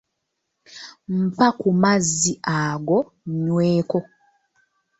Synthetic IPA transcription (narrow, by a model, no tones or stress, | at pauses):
m̩pakumazːiʔaɡo | ɲweːko